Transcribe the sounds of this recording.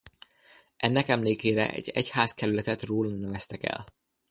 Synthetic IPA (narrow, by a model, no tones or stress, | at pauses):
ɛnːɛkɛmleːkeːɾɛ̰ʔɛ̰ɟːɛchaːskɛɾylɛt̪ɛt̪roːlnɛvɛst̪ɛkɛ̰l